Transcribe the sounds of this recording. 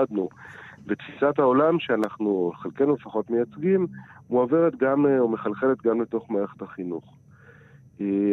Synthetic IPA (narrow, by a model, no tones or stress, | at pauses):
adnuvet̪fisat̪hao̞lamʃeanaχnuχelkenulefaχo̞tmejat͡sɡimmuaveʁet̪ɡamomeχalχelet̪ɡamleto̞χmaːeχe̥taχinuχ | e